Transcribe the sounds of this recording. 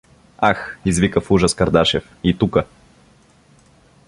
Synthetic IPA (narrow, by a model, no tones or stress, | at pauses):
axizvikəfuʒəskɐɾd̪aʃɛf | it̪ukə